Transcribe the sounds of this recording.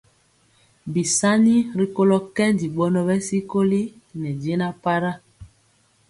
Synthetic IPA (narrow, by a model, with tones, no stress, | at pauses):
bi˨sa˦ni˦ɾi˦ko˦lɔ˦kɛ˦ndi˨ɓɔ˦nɔ˦bɛ˦si˦ko˦li˦ | nɛ˨de˦na˦pa˦ɾa˦